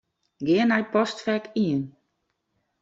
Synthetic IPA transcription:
ɡɪənajpɔstfɛkiən

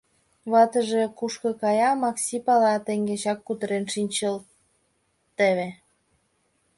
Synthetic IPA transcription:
βɑt̪ə̆ʒekuʃkɤ̆kɑjɑmɑksʲipɑlɑt̪eŋɡet͡ɕɑkːut̪əɾenʃinʲt͡ɕəl | t̪eβe

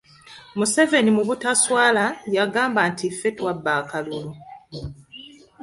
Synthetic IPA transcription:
muse̞ve̞nimuβutaswaːlajaɡaːmbantifːe̞twabːaːkalulu

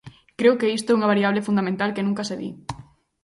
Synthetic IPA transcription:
kɾewkeist̪oɛuŋaβaɾiaβlefund̪amẽnt̪alkenũŋkɐseðḭ

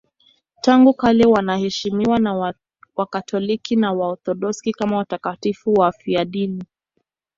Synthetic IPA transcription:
taŋɡukalɛwanahɛʃimiwana | wakatʰɔlikinawaɔθɔɗɔskikamawatakatifuwafiaɗini

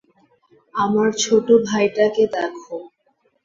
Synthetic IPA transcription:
amaɾt͡ɕʰoʈobʱajʈaked̪ɛkʰo

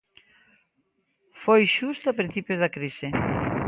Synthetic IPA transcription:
fojʃust̪oapɾĩn̟θipjozðɐkɾisɪ

